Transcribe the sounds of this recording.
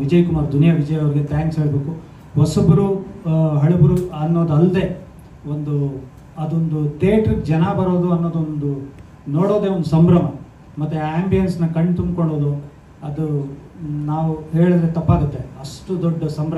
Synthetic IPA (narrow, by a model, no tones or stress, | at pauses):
ʋid͡ʒɐjkumaːɾd̪ʱunijɐʋid͡ʒɐjɐʋɾiɡet̪jaːŋksɦeɭbe̞ːku | ʋɐsubɾuɦɐɭubɾuɐnːo̞ːd̪uɐld̪e̞ː | ond̪u | ɐd̪ond̪ut̪eːʈɾd͡ʒɐnɐbɐɾoːd̪uɐnːoːd̪ond̪u | noːɽo̞ːd̪eʋond̪usɐmbɾɐmɐ | mɐt̪ːuaːmbijɐnsnɐkɐɳɖt̪um̚koɭːoːd̪u | ɐd̪u | naːʋuɦe̞ːɭid̪ɾe̞t̪ɐpːaːɡut̪ːeɐʂʈud̪ɔɖːɐsɐmbɾɐ